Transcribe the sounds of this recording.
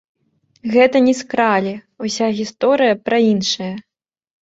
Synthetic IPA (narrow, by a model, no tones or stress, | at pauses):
ɣɛt̪ɐnʲɛskɾalʲi | usʲaɣʲist̪ɔɾɨjɐpɾɐinʂɐjɐ